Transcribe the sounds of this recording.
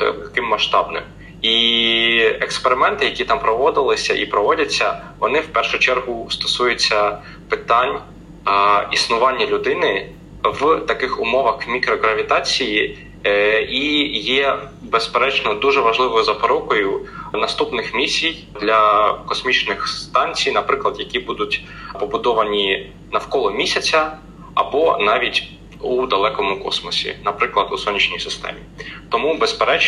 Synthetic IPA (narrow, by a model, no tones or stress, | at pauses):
t̪ɐkɪmːɐʃt̪ɑbnɪ̰m | i | ekspeɾɪmɛnt̪ɪjɐkʲit̪ɑmpɾɔʋɔd̪ɪlˠɪsʲɐʔipɾɔʋɔdʲɐt͡sʲːɐ | ʋɔnɪwpɛrʃʊt͡ʃɛrɦʊst̪ɔ̥sujʊt͡sʲːɐ | pɪt̪ɑnʲ | isnʊʋɑnʲːɐlʲʊd̪ɪnɪ | ʋt̪ɐkɪxʊmɔʋɐxmʲikɾɔɦɾɐʋʲit̪ɑt͡sʲiji | ijɛbespeɾɛt͡ʃnɔd̪uʒɛʋɐʒlˠɪʋɔjʊzɐpɔɾɔkɔjʊnɐst̪upnɪxmʲisʲij | d̪lʲɐkɔsmʲit͡ʃnɪxst̪ɑnʲt͡sʲijnɐpɾɪklˠɐd̪jɐkʲibud̪ʊtʲ | pɔbʊd̪ɔʋɐnʲi | nɐwkɔlˠɔmʲisʲɐt͡sʲɐ | ɐbɔnɑʋʲitʲ | ud̪ɐlˠɛkɔmʊkɔ̰smɔsʲḭnɐpɾɪklˠɐd̪usɔnʲːit͡ʃnʲijsɪst̪ɛ̰mʲit̪ɔmubespeɾɛt͡ʃ